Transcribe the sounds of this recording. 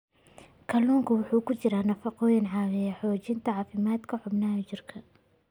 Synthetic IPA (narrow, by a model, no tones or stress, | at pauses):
kʰɐluːŋkʰɐwʊħuːkʰʊt͡ʃɪɾaːnɐfɑqɔːjɪnʕɑːwɪjɛħɔːt͡ʃɪnt̪ʰɐʕɑːfɪmaːd̪kʰɐħʊbnɐɦɐt͡ʃɪrkʰɐ